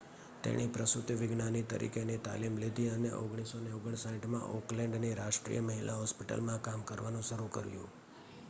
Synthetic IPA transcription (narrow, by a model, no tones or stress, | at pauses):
t̪ḛɽ̃ipɾəsut̪ʋɪɡnanit̪ə̰ɾʔḭkenit̪a̰limlid̪ʱiəneʔoɡɽ̃isoneoɡəɳ̃saiʈmã̰ʔoklɛ̃ɳɖniɾaʃʈɾḭjəməɦilʔaɦɔspiʈə̰lmãkamkəɾʋanũʃəɾukə̰ɾjṵ̃